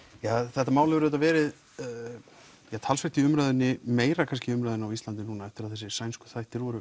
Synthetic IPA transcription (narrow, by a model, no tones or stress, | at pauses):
jaθɛht̪ːamaːwlavɛɾðɛt̪avɛːɾɪð | jat̪ʰalsfɛɾ̥t̪ɪʏmɾaɥðʏnːɪmeːjɾakʰanscɪʏmɾajðʏnawist̪lant̪̬ɪnuːnaɛft̪ɪɾaðθɛsːɪsajnskʏ̥θajht̪ɪɾɔɾʏ